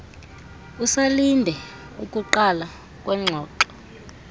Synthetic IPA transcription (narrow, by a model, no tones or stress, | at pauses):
usalindʱɛ | ukʼuǃala | k̬ʼwɛŋ͡ǁʱɔːǃɔ